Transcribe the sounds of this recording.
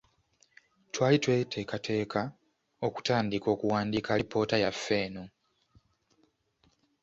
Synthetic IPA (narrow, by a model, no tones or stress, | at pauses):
twaːlitwe̞ːtʰe̞ːkate̞ːkʰa | o̞ku̥taːndiko̞ːkuwaːndikaipo̞ːtajafːe̞ːnu